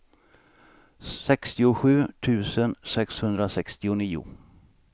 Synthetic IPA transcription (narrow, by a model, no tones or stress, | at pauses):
sɛkst̪ɪʊɧʉ̟ːt̪ʰʉ̟ːsənsɛkshɵnd̪ɾasɛkst̪ɪʊniːʊ̰